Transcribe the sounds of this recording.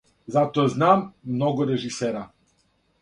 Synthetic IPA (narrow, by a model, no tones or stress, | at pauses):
zat̪ɔaznamːnɔɡuɾɛʒisɛɾa